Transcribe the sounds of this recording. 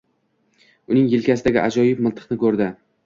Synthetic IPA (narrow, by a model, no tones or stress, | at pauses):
ʊnɪŋjɪlkʲas̬ɪd̪aɡʲɪ̰ʔad͡ʒɒjɪpmɪlˠt̪ʰɨ̥qnɪkʰɵɾd̪ɪ